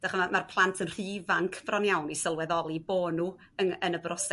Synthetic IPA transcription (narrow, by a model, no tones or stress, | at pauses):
d̥aχəamarpʰlˠantʰənr̥ivaŋkʰv̥rɔnjawnisəlˠwɛðɔlˠiboːnu | ənənəbrɔs